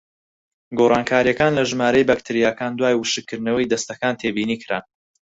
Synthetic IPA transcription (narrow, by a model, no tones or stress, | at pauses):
ɡoːrˤɑːŋkʰaːɾijɐkaːnlɐʒɨmaːɾɐjbakt̪ʰɨɾijaːkaːnd̪waːjwɨʃɨkʰːɨɾnɐwɐjd̪ɐst̪ɐkaːnt̪ʰeːbiːniːkʰɨɾa̰ː